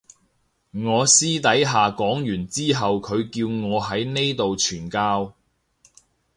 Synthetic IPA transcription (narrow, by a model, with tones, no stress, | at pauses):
ŋɔː˨˧siː˥t̪ɐ˨˥jɦaː˨kɔː˨˥ŋjyː˨˩nt͡siː˥ɦɐ˨wkʰɵ˨˧ɥkiː˧wŋɔː˨˧ɦɐ˨˥jne˥jt̪o˨wt͡ʃʰyː˨˩nkaː˥w